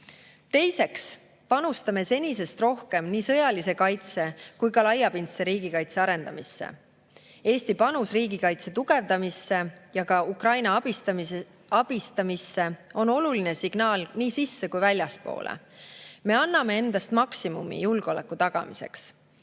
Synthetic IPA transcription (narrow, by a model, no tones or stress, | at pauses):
t̪e̞jse̞ks | pɑnust̪ɑme̞se̞nʲise̞st̪ro̞hke̞mniːsɤ̞jɑlise̞kɑjt̪se̞kujkɑlɑjːɑpint̪seɾiːɡ̥ikɑjt̪se̞ɑɾe̞nd̪̥ɑmisːe̞̰ | e̞ːst̪ipɑnusriːɡ̥ikɑjt̪se̞t̪uɡ̥e̞vd̪ɑmisːe̞jɑkɑukrɑjnɑɑbist̪ | ɑb̥ist̪ɑmisːe̞o̞no̞luline̞siɡ̥nɑːlniːsisːe̞kujvælʲjɑspo̞̰ːlʔḛme̞ɑnːɑme̞e̞nd̪̥ɑst̪mɑksimumḭjulɡ̥o̞lḛkˑːut̪ɑɡ̥ɑ̰mḭse̞̰ks